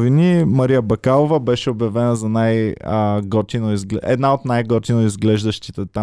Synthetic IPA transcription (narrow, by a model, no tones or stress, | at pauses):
vinimɐɾijəbɐkalˠovəbɛʃɛobjɐvɛnəzɐnajəɡɔt̪inoizɡlɛ̰d̪naot̪najɡɔt̪inoizɡlɛʒd̪əʃt̪it̪ɛt̪a